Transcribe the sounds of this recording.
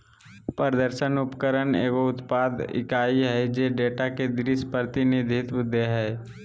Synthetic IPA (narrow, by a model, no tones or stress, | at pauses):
pəɾd̪əɾʃənʊpkəɾənḛːɡoʊt̪paːd̪ɪ̰kaːiɦɛd͡ʒeɖeːʈaked̪ɾispəɾt̪inid̪ʱɪt̪ʊd̪ʱːeɦɛː